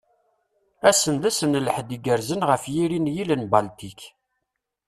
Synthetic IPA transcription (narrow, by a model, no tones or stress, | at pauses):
æsənd̪æsənləħd̪iɡəɾzənʁəfjiɾinjilənbalt̪ik